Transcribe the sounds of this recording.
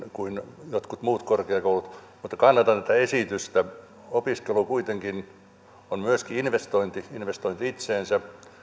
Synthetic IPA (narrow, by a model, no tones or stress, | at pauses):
kuinjot̪kut̪muːt̪korkeɑkoulut̪ | mut̪ːɑkɑnːɑt̪ɑnt̪et̪ːæesit̪yst̪æ | opiskelukuit̪eŋkin | onmyøskiinʋest̪oint̪iinʋest̪oint̪iit̪seːnsæ